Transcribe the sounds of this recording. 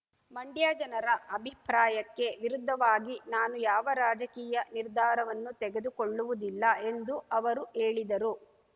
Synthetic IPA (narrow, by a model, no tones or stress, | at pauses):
mɐɳɖjaːd͡ʒɐnɐɾɐʔɐbʱipɾaːjɐkːe̞ʋiɾud̪ʱːɐʋaːɡinaːnujaːʋɐɾaːd͡ʒɐkiːjɐniɾd̪ʱaːɾɐʋɐnːut̪ɛɡe̞d̪ukoɭːuʋud̪ilːɐe̞nd̪uɐʋɐɾueːɭid̪ɐɾu